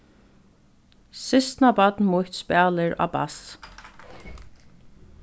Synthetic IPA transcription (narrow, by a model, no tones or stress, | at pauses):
sɪst̪napɔt̪nmʊjht̪spaːlɪɹa̰ːba̰s